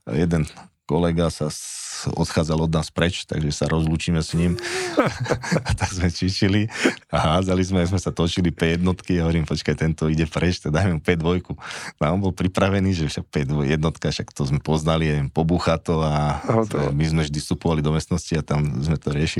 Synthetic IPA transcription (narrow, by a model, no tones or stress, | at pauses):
jɛd̪ɛnkɔlɛɡasa | ɔ̰t̪xaːd͡zalɔd̪naːspɾɛt͡ʃt̪a̰ɡʒɛsaɾɔzluːt͡ʃiːmɛsɲim | at̪aɡzmɛt͡ʃit͡ʃiliaɦaːd͡zalizmɛazmɛsat̪ɔt͡ʃilipɛjɛd̪nɔt̪kiaɦɔʋɔɾiːmpɔt͡ʃkajt̪ɛnt̪ɔiɟɛpɾɛt͡ʃt̪aɡd̪ajmɛmupɛd̪ʋɔjkunaːɔmbɔlpɾipɾaʋɛniːʒɛfʃak̚pɛd̪ʋɔjɛd̪nɔt̪kafʃakt̪ɔzmɛpɔznaliɛɛmpɔbuxat̪ɔa | mizmɛvʒd̪ist̪upɔʋalid̪ɔmɛst̪nɔsciat̪amzmɛt̪ɔɾɪɛʃi